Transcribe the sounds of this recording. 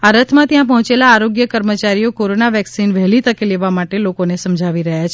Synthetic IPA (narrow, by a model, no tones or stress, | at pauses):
aɾət̪ʰmãt̪jãp̬əɦɔ̃t͡ʃelaːɾoɡjəkəɾmət͡ʃaɾijokoɾonaʋɛksinʋɛɦlit̪əkeleʋamaʈelokonesəmd͡ʒʱaʋiɾəɦjat͡ʃʰ